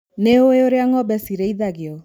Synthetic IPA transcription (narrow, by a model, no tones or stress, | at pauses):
neoeoɾeaŋɔbɛsiɾeiðaɡeɔ